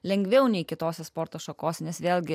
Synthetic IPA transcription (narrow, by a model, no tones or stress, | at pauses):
lʲɛŋʲɡʲʋʲɛʊnʲɛɪkʲɪt̪oːsʲɛspoːɾt̪oːʃɐkoːsʲɛnʲɛsʋʲeːlʲˠɡʲɪ